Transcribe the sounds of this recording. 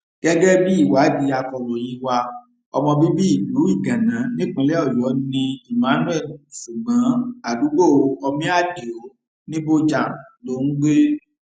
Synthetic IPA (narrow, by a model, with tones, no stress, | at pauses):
ɡ̥ɛ˦ɡɛ˦bi˦i˦˨wa˨˦di˧a˧kɔ˧ɾɔ˨jĩ˨˧wa˧ | ɔ̰˧mɔ̃˧bi˦bi˦i˦˨lu˨˦i˦˨ɡã˨nã˨˦nĩ˦k͡pĩ˧lɛ˦ɔ˦˨jɔ˨˦nĩ˧i˨mã˨˦nũ˦ɛ˦˨dʃu˨ɡ͡bã˨˦a˨du˨˦ɡ͡bo˦˨˧ɔ˧mĩ˦a˦˨di˨o˨˦ | nĩ˦bo˦d͡ʒa˨lo˧˦nũ˦ɡ͡be˦